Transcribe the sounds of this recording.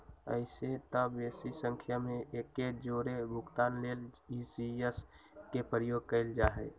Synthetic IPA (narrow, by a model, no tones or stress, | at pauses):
ə̰ɪset̪əbesisə̃ŋkʰjamẽekːed͡ʒoːɾebʱʊkt̪aːnleːlisieskepɾəjoːɡ̚kəɪld͡ʒaːɦɛ̰